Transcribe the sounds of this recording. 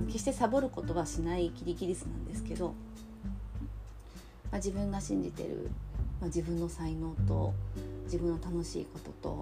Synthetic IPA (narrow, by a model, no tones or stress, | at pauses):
ke̞ɕi̥t̪e̞sabo̞ɾɯ̟ko̞t̪o̞βaɕinaikʲiɾʲikʲiɾʲisɨnã̰nd̪e̞sɨ̥ke̞d̪o̞ | mad͡ʑibɯ̟̃ŋɡaɕĩɲ̟d͡ʑit̪e̞̰ɾɯ̟̰mad͡ʑibɯ̟̃nːo̞saino̞ːt̪o̞̰d͡ʑibɯ̟̃nːo̞t̪ano̞ɕḭːko̞t̪o̞t̪o̞̰